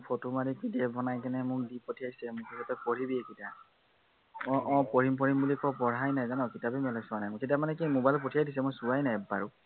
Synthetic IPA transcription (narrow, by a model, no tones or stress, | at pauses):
pʰotomaɹikidɛbʱɔnajkɛnɛmʊɹdipotʰijajsɛmʊkitʰatɛpoɹibiekita | ɔ̃ʔɔ̃poɹimpɔɹimbulikɔpɔɹajnajzanɔkitabɛmɛlɔsʊanajmʊketamanɛkimobajlp̬otʰijajdis̬ɛmʊjsuwajnajɛba̰ɹʊ